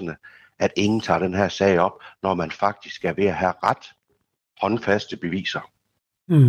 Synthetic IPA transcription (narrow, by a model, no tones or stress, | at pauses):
ənə | ʔæd̥e̝ŋn̩t͡sʰɑ̰̈ːɾ̥enɦæɐsɛɪɒ̽b̥̚nɒmænfɑ̈ɡ̥̚d̥isɡ̥æɐʋe̝æɦæʁad̥ | hɒ̽nfæsd̥əb̥e̝ʋḭːsɐ